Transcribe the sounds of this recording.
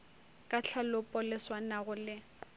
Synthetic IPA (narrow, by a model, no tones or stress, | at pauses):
kʼat͡ɬʰalʊpʼɔlɪswanaɣʊlɪ